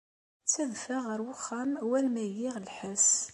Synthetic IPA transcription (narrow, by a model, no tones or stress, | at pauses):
t͡sːæðfæʁəɾwʊχːamwælmæjɪʁlħæs